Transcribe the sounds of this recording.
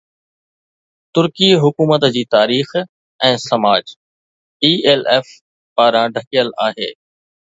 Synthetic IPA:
t̪ʊɾkiːɦʊkuːmət̪d͡ʑiːt̪aːɾiːx | ɛ̃ːsɐmaːd͡ʑ | iːeːleːf | paːɾãɖʱəkijəlaːɦḛː

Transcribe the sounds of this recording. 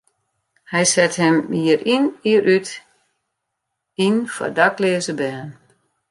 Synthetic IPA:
hɛjsɛthɛmːiəɾiniəɾʔyt | infɔ̰daklɪəzəbɛːn

